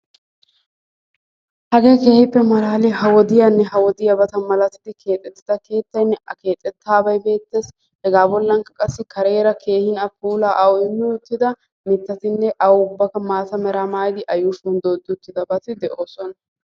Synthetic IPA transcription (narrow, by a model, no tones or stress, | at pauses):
hɐɡe̞ːke̞ːhɪpːɛmɐɾaːlɪhɐwɔd̪ɪjanːɛɦɐwɔd̪ɪjɐbɐt̪ɐnmɐlɐt̪ɪd̪ɪkʰe̞ːt̪ʼːɛt̪ːɪd̪ɐke̞ːt̪ːɐjnːɛɐke̞ːt̪ʼːɛt̪ːaːbɐjbe̞ːt̪ːe̞ːs | hɛɡaːbɔlːɐŋkɐkʼɐsːɪkʰɐɾe̞ːɾɐkʰe̞ːhɪnɐpuːlaːʔɐwɔɪmːɪʊt̪ːɪd̪ɐ | mɪt̪ːɐt̪ɪnːɛʔɐwʊbːɐkɐmaːt̪ɐmɛɾamaːjd̪ɪʔɐjuːfund̪oːd̪ːɪʊt̪ːɪd̪ɐbɐt̪ɪd̪ɛʔoːsɔnɐ